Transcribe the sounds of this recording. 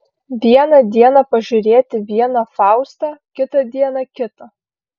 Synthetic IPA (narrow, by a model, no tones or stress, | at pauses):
ʋʲiɛnɐd̪ʲiɛnɐpɐʒʲʊɾʲeːt̪ʲɪʋʲiɛnɐfɑˑʊst̪ɐkʲɪt̪ɐd̪ʲiɛnɐkʲɪt̪ɐ